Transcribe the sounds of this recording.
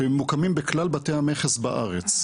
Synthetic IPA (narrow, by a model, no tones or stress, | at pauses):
mːukamimbeklalbatehameχesbaʔa̰ʁet͡s